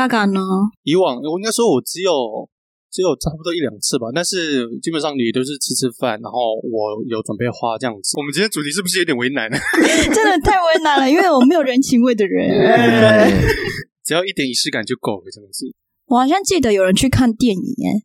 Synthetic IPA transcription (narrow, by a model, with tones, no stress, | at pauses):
a˥˩ka˨˩nnə˩˦i˧˥wɑ˨˩ŋwɔ˨˩i˥ŋka˥ɪ˥wɔ˥˩wɔ˨˩ʈ͡ʂɻ̩˧˥jo˨˩ʊ | ʈ͡ʂɻ̩˧˥jo˨˩ʊʈ͡ʂʰa˥pu˧t̪wɔ˥i˥ljɑ̰˨˩ŋt͡sʰɹ̩˥˩ba˨˩t̪a˥˧nʂɻ̩˥˩t͡ɕi˥ŋpə˨˩nʂɑ˥˩ŋny˨˩t̪o˥˧ʊʂ̬̩˥˩t͡s̩ʰ˥t͡sʰɻ̩˥˧fa̰˥˩nɻa˧˥nxo˥˩ʊwɔ˨˩jo˧˥ʊʈ͡ʂwa˨˩npe˥˩ɪxwa˦˥ʈ͡ʂɤ˥˧jɑ˥˧ŋt͡s̩ʰ˥wɔ˨˩mə˦nʰi˧˥tʰjt͡su˨˩t̪ʰi˧˥ʂɻ̩˥bu˧˩ʂ̩ɻ̩˥˩o˧˥t̪jɛ˨nwe˧˥ɪna˧˦nə˩ʈ͡ʂə˥nd̪ə˨t̪ʰa˥˩ɪwe˧˥ɪna˧˥nlə˧i˥nwe˥˩ɪwɔ˨˩me˧˥ɪjo˨˩ʊɻə˧˥nt͡ɕʰi˧˥ŋwe˥˩ɪd̪ə˩ɻə̰˧˥n˥ | ʈ͡ʂɻ̩˩jɑ˥˧ʊi˥˩t̪jɛ˨˩ni˧˥ʂ̩ʰ˥˩ka˨˩nt͡ɕjo˥˩ʊko˨˩ʊkə˧˩ʈ͡ʂə˥˩mə˨˩ʂ̩˥˩ | wɔ˨˩xɑ˨˩ʊɕjɑ˥˧ŋt͡ɕi˥˩d̪ə˩jo˨˩ɻə˧˦nt͡ɕʰy˥˧kʰa˥˧nt̪jɛ˥˩nḭ˨˩jɛ̰˥˩n